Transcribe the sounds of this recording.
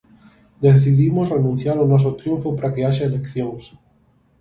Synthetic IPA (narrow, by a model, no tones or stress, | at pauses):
d̪eθiðimosrenũn̟θjaɾonos̬ot̪ɾjuɱfopaɾakeaʃaelekθjoŋs